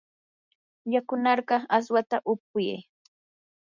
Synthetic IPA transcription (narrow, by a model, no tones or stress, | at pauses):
jakʊnɑɾɢɑas̬wat̪aʔʊp̚ʊjḛj